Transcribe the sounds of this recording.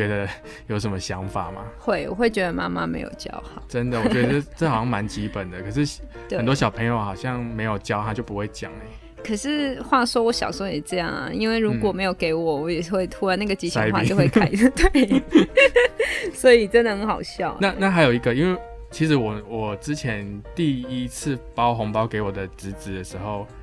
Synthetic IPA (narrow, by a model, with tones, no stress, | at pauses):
t͡ɕɥɛ˧˥d̪ə˧ | jo˨˩ʊʂə˧˦nmə˧ɕjɑ˧˦˥ŋfa̰˨˩ma̰˨˩xwe˥˩ɪwɔ̰˨˩xwe˥˩ɪt͡ɕɥɛ˧˥d̪ə˧ma̰˥ma̰˦mḛ˧˥ɪjo̰˨˩ʊt͡ɕjɑ̰˥ʊxɑ˨˩˦ʈ͡ʂə˦nd̪ə˨wɔ˨t͡ɕɛ˧də˥ʈ͡ʂə˥˩hʊɕjɑ˥˩ŋma˧˥nt͡ɕi˦˥pə˨˩nd̪ə˦kʰɤ˨˩ʂ̬ɻ̩˥˩ | xnt̪wɔ˥˩ɕjɑ˨ʊpʰə˧˥ŋjo˧ʊxɑ˨˩ʊɕjɑ˥˩ŋme˧˥ɪjo˨˩ʊt͡ɕjɑ˥ʊxɑ˥˩t͡ɕjo˥˩ʊpu˦˥xwe˥˩ɪt͡ɕjɑ̰˨˩ŋlə˦ | kʰə˨˩ʂɻ̩˥˩xwa˥˩ʂwɔ˥wɔ˧˥ɕjɑ̰˨˩ʊʂwjɛ˨˩ʈ͡ʂɤ˥˧jɑ˥˩ŋ̰˩i˥nwe˥˩ɪɻu˧˥kwɔ˨˩me˧˥ɪjo˨˩ʊke˧˥ɪwɔ˨˩wɔ˧˥jɛ˨˩xwe˥˩ɪt̪ʰu˥wa˨˦na˥˩ɡə˩t͡ɕi˧˥ɕjxa˥˧˨jʊxwe˥˩kʰa˥˩ɪ˥˧t̪wa˥˩ɪ | swɔ˧˥i˨˩ʈ͡ʂə˥nd̪ə˧˩hə˧˥ŋxɑ˨˩ʊɕjɑ˥˩ʊna˥˧na˥˩xa˧˥ɪjo˨˩ʊi˧˥ɡə˧˦i˥nwe˥˩ɪ | t͡ɕʰi˧˥ʂɻ̩˧˥wɔ˨˩wɔ˨˩ʈ͡ʂɻ̩˦t͡ɕʰjɛ˧˦nt̪i˥˨i˦˥t͡s̩ʰ˥˩pɑ˦˥ʊxo˧˥ŋpɑ˥ʊke˧˥ɪwɔ˨˩d̪ə˩ʈ͡ʂ̩˧˥t͡sɻ̩˨˥d̪ə˨˩ʂɻ̩˧˥xo˥˧ʊ